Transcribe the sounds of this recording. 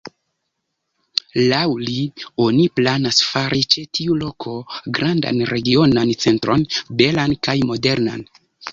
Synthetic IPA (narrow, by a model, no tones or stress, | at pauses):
lawlio̞niplanasfaɾʔit͡ʃe̞tiulo̞kʰo̞ɡɾanda̰nɾe̞ɡio̞nant͡se̞ntɾo̞nbe̞lankajmo̞de̞ɾna̰n